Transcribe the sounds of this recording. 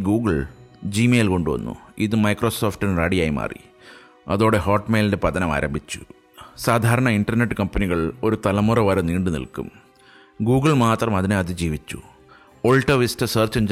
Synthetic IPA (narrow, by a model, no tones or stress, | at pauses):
ɡuːɡɐɭd͡ʑimeːjlko̞ɳɖɨʋɐ̰nːṵiðɨmɐjkroso̞ːfʈɨnraɽijaːjima̰ːrḭ | ɐðo̞ːɽe̞ɦo̞ːʈːmeːlinde̞pɐt̪ɐnɐma̰ːɾʔɐ̰mbʱit͡ɕːu̥ | saːd̪ʱaːɾɐɳɐinɖɐrneʈːɨkɐmpɐniɣɐɭo̞ɾut̪ɐlɐmurɐʋɐɾɐniːɳɖunḭlkṵm | ɡuːɡɨɭmaːt̪rɐmɐðineɐðid͡ʑiːʋit͡ɕːṵ | oɭʈːɐʋistɨsɐːrt͡ɕɐɲd͡ʑ